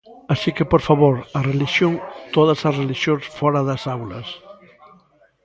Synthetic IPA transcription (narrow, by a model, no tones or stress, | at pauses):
asikepoɾfaβoɾɐreliʃjoŋt̪oðɐsɐsreliʃjõnsfɔɾɐðɐsawlɐ̰s